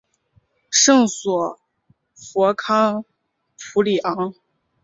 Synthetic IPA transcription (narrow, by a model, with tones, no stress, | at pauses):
ʂɤ˥˩ŋswɔ˨˩ | fwɔ˧˥kʰɑ˥ŋ | pʰu˧˥li˨˩ʔɑ˧˥ŋ